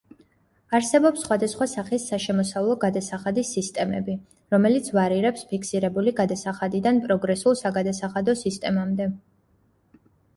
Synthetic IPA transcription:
aɾsɛbɔpsːχwad̪asχwasaχisːaʃɛmɔsavlˠɔɡad̪asaχad̪isːist̪ʼɛmɛ̰bi | ɾɔmɛlit̪sʰvaɾiɾɛpspʰikʰsiɾɛbuliɡad̪asaχad̪id̪anpʼɾɔɡɾɛsulˠsaɡad̪asaχad̪ɔsist̪ʼɛmamd̪ɛ

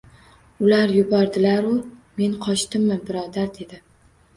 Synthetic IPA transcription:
ʊlaɾjʊbɒɾd̪ɪlaɾʊme̞nqʰɒt͡ʃt̪ɪmːɪbɪɾɒd̪aɾd̪e̞d̪ɪ

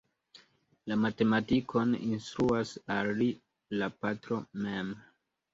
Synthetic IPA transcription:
lamate̞matikʰo̞nḭnstɾuasali | lapatɾo̞mem

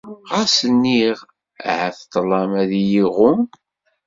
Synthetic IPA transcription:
ʁæsənːiʁ | ʕæθt̪ˤːlˤɑmæðjiʁʊm

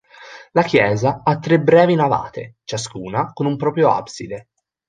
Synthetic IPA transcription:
lak̟jɛːzaat̪ːɾebɾɛːvinava̰ːt̪ḛt͡ʃaskuːnakonumpɾɔːpɾjoa̰psid̪e

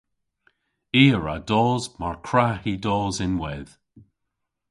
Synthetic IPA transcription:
iːəɹa̰dɔːzmaɹkʰɹahidɔːzɪnwɛð̥

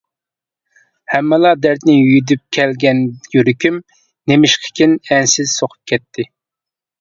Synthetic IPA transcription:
hɛmːɪlˠɑd̪æɾt̪nɪjyd̪yp̚kʲʰɛlɡʲɛnd̪ɪkʲiɾykʲym | nemɪʃqʰə̥kʲʰɪnɛnsɪz̥soqʰʊ̥p̚kʲʰɛt̪ʰːɪ

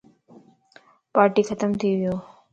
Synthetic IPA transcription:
paːɾʈiːkʰət̪əmt̪ʰiʋɪjoː

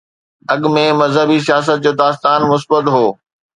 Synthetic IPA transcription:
ɐɠmẽmɐzɦəbis̬ijaːs̬ət̪̚d͡ʑoːd̪aːst̪aːnmʊsbət̪ɦoː

